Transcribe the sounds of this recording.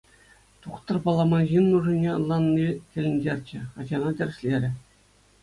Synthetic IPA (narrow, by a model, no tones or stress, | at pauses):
t̪uχt̪ɤ̆rpɑlˠɑmɑnʑinːuʐɯ̆nʲeɤ̆lˠːɑnːikʲɘ̆lʲɘ̆nʲdʲerʲt͡ɕɘ̆χɑd͡ʑɑnɑt̪ʲɘ̆rʲɕlʲeɾʲɘ̆